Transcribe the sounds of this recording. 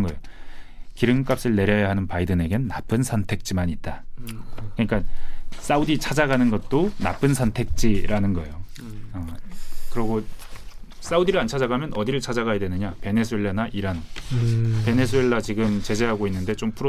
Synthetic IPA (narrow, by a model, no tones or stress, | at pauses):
ɡʌejo | kiɾɯŋk͈ap̚s͈ɯɭne̞ɾjʌjaɦanɯnpaidɯne̞ɡenːap͈ʰɯnsʰʌntʰe̞k̚t͡ɕ͈imaɲit̚t͈a | kɯɲik͈as͈audit͡ɕʰad͡ʑaɡanɯnɡʌt̚t͈ona̰pʰɯnsʰʌntʰe̞k̚t͡ɕ͈iɾanɯnɡʌejo | ʌkɯɾʌɡo | s͈audiɾɯɭant͡ɕʰad͡ʑaɡamjʌnʌdiɾɯɭt͡ɕʰad͡ʑaɡajadwe̞nɯɲape̞ne̞sʰue̞ɭːanaʔiɾan | pe̞ne̞sʰue̞ɭːat͡ɕiɡɯmt͡ɕe̞d͡ʑe̞ɦaɡoinːɯnde̞t͡ɕompʰuɾo